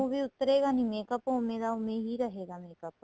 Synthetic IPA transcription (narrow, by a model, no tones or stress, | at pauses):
õːbiːʊt̪ːəɾeːɡaːnĩːmeːkəpõʊmẽːd̪aːʊmẽːɦiːɾəɦeːɡaːmeːkəp